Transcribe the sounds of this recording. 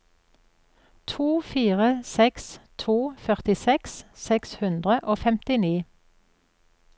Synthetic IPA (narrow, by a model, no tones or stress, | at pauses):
t̪ʰuːfiːʁəsɛkst̪ʰuːfœʁt̪ɪsɛkssɛkshʉnd̪ʁəʔoːfɛmt̪ɪniː